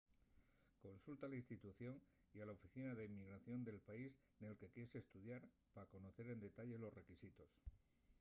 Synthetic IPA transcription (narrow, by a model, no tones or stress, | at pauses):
ko̞nsult̪alainst̪it̪uθjo̞n | ialaofiθinaðe̞imːiɣ̞ɾaθjo̞nd̪e̞lpais | ne̞lke̞kje̞se̞ːst̪uðjaɾ | pako̞no̞θe̞ɾe̞nd̪e̞t̪aʎe̞lo̞sre̞kisit̪o̞s